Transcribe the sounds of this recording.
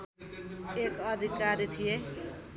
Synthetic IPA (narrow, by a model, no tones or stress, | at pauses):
ekʌd̪ʱikaɾit̪ʰije